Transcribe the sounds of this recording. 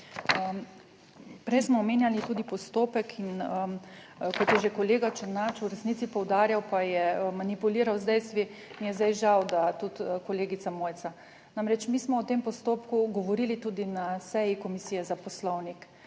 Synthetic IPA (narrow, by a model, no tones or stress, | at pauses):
ə | pɾɛjsmɔːmeːnjalit̪uːd̪ipɔst̪oːpɛkʰinə | kɔt̪jɛʒekɔleːɡat͡ʃɛnat͡ʃuɾɛsnit̪ipɔwd̪aːɾjawpajɛmanipuliːɾawzd̪ɛjst̪ʋinjɛzd̪ajʒawd̪at̪ut̪kɔleːɡit̪samoːjt̪sa | namɾɛt͡ʃmiːsmɔɔt̪eːmpɔst̪oːpkuɡɔʋɔɾiːlit̪uːd̪inasɛjikɔmisijɛzapɔslɔwnik